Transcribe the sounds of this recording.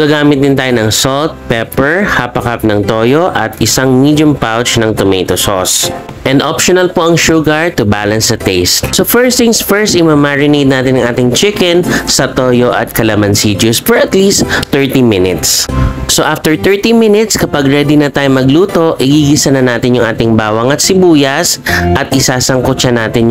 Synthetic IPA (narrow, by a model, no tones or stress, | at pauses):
ɡ̥aːɡaːmɪt̪̚d̪ɪnt̪aːjonɐŋsolt̪̚pɛpɛɹhapɐkap̚nɐŋt̪oːjoʔɐ̰t̪ʔɪsaŋmid̪jʊmpawt͡ʃnɐŋt̪ʊmejt̪osos | ʔɛnd̪ʔopʃonɐlpoʔɐŋʃuɡɐɹt̪ʊbaːlɐnsːɐt̪ɛst̪̚sofɛɹst̪ɪŋsfɛɹst̪ɪmɐmaɹɪnejd̪̚naːt̪ɪnɐŋʔaːt̪ɪŋt͡ʃɪkɛnsɐt̪oːjoʔɐ̰t̪̚kɐlɐmɐnsid͡ʒʊspɛɹɐt̪liːst̪ːɛɹt̪imɪnɪt̪sːoʔaft̪ɛɹt̪ɛɹt̪imɪnɪt̪skɐpɐɡɹɛd̪ɪnɐt̪aːjomɐɡluːt̪o̞ʔɪɡiɡɪsɐnɐnaːt̪ɪnjʊŋʔaːt̪ɪŋbaːwɐŋɐt̪sɪbuːjɐsʔɐt̪̚ʔɪsaːsɐŋkʊt͡ʃɐnaːt̪ɪn